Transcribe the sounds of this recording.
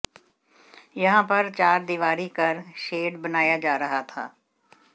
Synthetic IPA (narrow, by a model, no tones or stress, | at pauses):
jɐɦãpɐɾt͡ʃaːɾd̪iʋaːɾikɐɾʃeːɖbɐnaːjad͡ʒaːɾɐɦat̪ʰa̰ː